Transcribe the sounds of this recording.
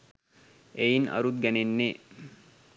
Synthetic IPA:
ʔeinʔɐ̰ɾut̪̚ɡænenːe

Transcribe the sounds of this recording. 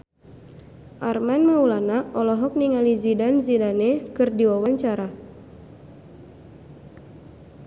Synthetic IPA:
ʔarmanmaulanaʔɔlɔɦɔk̚niŋalizidanzidanɛkɨrdiwawaɲt͡ʃaɾa

